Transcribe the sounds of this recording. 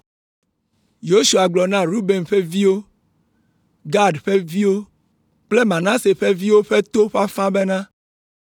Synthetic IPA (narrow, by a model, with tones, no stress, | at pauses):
jo˦su˨a˨ɡ͡blɔ˨nã˦ɾu˦be˨nɸe˦vi˦wo˦ | ɡa˦ɖɸe˦vi˦wo˦ | k͡ple˦mã˨nã˦se˨ɸe˦vi˦wo˦ɸe˦t̪o˦ɸa˦fã˦be˦nã˦